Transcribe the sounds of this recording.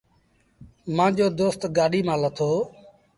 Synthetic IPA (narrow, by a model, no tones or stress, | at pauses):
mãːd͡ʒoːd̪oːst̪ɡaːɗiːmãːlət̪ʰoː